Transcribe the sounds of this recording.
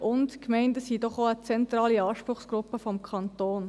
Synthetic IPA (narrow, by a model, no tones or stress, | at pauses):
ʔʊntkmɛɪntəsidɔχoət͡sɛnt̪ɾɑːliɑːʃpɾʊχsɡ̥ɾʊpːəfɔmkʰɑnt̪oːn